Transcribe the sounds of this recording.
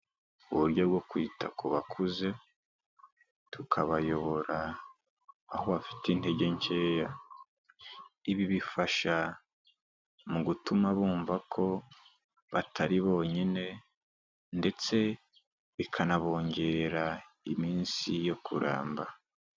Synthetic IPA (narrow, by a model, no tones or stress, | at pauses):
uβuɾɟoβɡo̞kwiːtʰa̰kʰuβakʰuze̞ | tukʰaβajo̞βo̞ɾaː | ho̞βafi̥tinte̞ɟe̞ɲce̞ːja | iβiβifaʃa | muɡutumaβuːɱvakʰo̞ | βatʰaɾiβo̞ːɲine̞ | nde̞t͡se̞ | βikʰanaβo̞ːɲɟe̞ɾa | imiːnsijo̞kʰuɾʔa̰ːmba